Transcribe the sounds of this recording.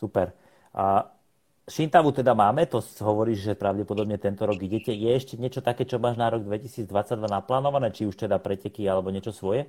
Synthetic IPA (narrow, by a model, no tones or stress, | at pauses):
supɛɾ | ʃint̪aʋut̪ɛd̪amaːmɛt̪ɔsɦɔʋɔɾiːʒʒɛpɾaʊɟɛpɔd̪ɔbɲɛt̪ɛnt̪ɔɾɔɡiɟɛcɛjɛɛʃcɛɲɪɛt͡ʃɔt̪akɛːt͡ʃɔmaːʒnaɾɔɡ̚d̪ʋɛcisiːd͡zd̪ʋat͡saɟ̚d̪ʋanaplaːnɔʋanɛːt͡ʃiuʃt̪ɛd̪apɾɛcɛkialɛbɔɲɪɛt͡ʃɔsʋɔjɛ